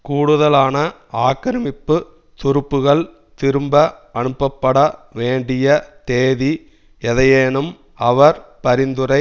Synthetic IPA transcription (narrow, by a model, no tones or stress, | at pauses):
kuːɽɯðɐlaːnɐ | aːkːɐɾɐmɪpːɯ | t̪ʊɾɯpːɯɣɐɭ | t̪ɪɾɯmbɐɐɳɯpːɐpːɐɽɐʋeːɳɖɪjɐt̪eːði | ɛðɐjeːnɯm | ɐʋɐɾpɐɾɪnd̪ɯɾɐɪ